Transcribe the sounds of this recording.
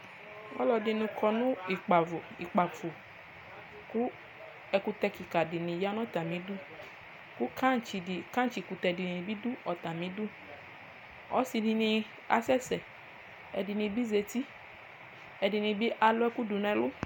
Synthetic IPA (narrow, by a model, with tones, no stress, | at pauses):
wɔ̰˦lɔ˨dɪ˨nũ˨kʰɔ˨nʊ̃˦i˨k͡pa˨vʊ˨ḭ˨k͡pa˨fo˨ | kʊ˦ | ɛ˨ku˦t̪ɛ˦ki˨ka˨dɪ˨nĩ˨ja˦nɔ̃˦t̪a˨mĩ˨˦dʊ˦ | kʊ˦kʰa˦t͡ʃi˨ka˦t͡ʃi˨ku˨t̪ɛ˨dɪ˨n˨bi˦du˦ɔ˨t̪a˨mĩ˦dʊ˦ | ɔ˦si˨di˨nĩ˧ | a̰˨sɛ˦sɛ˨ | ɛ˨dɪ˨nĩ˨bi˦ze˨t̪i˦ | ɛ˨dɪ˨nĩ˨bi˦ʔa˨lʊ˦ɛ˦ku˦du˨nɛ̃˨lʊ˦